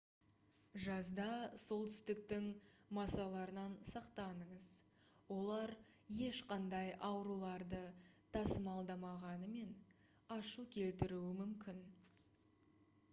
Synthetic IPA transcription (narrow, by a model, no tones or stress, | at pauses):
ʒɑzd̪ɑso̞lˠt̪ʰʏ̥st̪ɪk̚t̪ɪŋmɑsɑlˠɑɾənɑnsɑqt̪ɑnəɴəz̥ | wo̞lˠɑɾ | je̞ʃqɑnd̪ɑjʔɑwɾulˠɑɾd̪ət̪ʰɑsəmɑlˠd̪ɑmɑʁɑnəme̞n | ɑʃukʲʰe̞lt̪ɪɾuwɪmʏmkʲɪn